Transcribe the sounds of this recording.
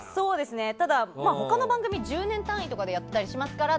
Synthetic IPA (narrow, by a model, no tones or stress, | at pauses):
so̞ːd̪e̞sɨne̞t̪ad̪amaːɦo̞kano̞bãŋɡɯ̟mʲid͡ʑɨːnẽ̞nt̪ãɰ̃it̪o̞kad̪e̞jat̪ːet̪aɾʲiɕimasɨ̥kaɾa